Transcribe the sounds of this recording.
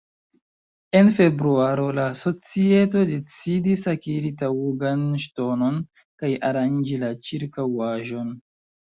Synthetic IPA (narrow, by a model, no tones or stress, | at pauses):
e̞nfe̞bɾuaɾo̞laso̞t͡sie̞to̞de̞t͡sidisakiɾitawuɡanʃto̞no̞n | kaja̰ɾand͡ʒilat͡ʃiɾkawaʒo̞n